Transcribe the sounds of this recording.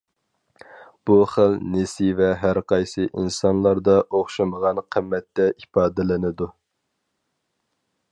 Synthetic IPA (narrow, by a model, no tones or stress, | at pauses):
b̥uχəlnesivɛɦæɾqɑjsɨʔinsɑnlˠɑɾd̪ɑʔoχʃɨməʁɑnqʰəmːɛt̪ːɛʔipɑːd̪ɪlɪnɪd̪u